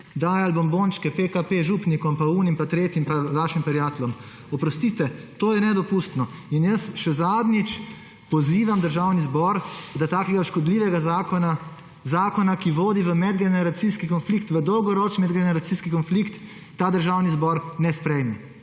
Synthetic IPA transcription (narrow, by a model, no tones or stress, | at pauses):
d̪ajalbomboːnt͡ʃkɛpekapeʒuːpnikɔmpauːnimpat̪ɾeːt̪jimpaʋaːʃimpɛɾjaːt̪ɛlɔm | ɔpɾɔst̪it̪ɛt̪oːjɛnɛd̪ɔpust̪nɔinjəsʃɛzaːd̪nit͡ʃ | pɔziːʋamd̪əɾʒaːwnizbɔɾd̪at̪aːkɛɡaʃkɔd̪liːʋɛɡazakɔna | zaːkɔnakiʋoːd̪iʋəmɛd̪ɡɛnɛɾat̪siskikɔnflikt̪ʋəd̪ɔwɡɔɾoːt͡ʃiɛd̪ɡɛnɛɾat̪siskikɔnflikt̪ː | aːd̪əɾʒawnizbɔɾnɛspɾɛjmɛ